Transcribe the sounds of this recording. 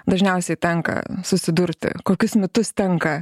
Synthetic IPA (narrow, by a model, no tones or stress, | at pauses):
d̪ɐʒʲnʲɛʊsʲɛɪt̪ʲɛŋkɐ̰sʊsʲɪd̪ʊɾʲt̪ʲɪ̰koːkʲʊsmʲɪt̪ʊst̪ʲɛŋkɐ